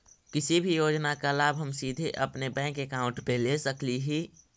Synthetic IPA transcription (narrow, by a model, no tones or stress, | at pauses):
kɪsibʱijoːd͡ʒnakalaːbʱɦəmsiːd̪ʱeʔəpnebɛ̃ːkekaːʊ̃ɳʈpelesəkliɦi